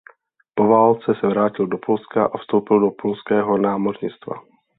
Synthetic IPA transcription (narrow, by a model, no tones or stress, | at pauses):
povaːlt͡sɛsɛvɾaːcɪldopʰolskaʔafst̪o̞wpɪldopolskɛːɦo̞naːmorɲɪt͡st̪va̰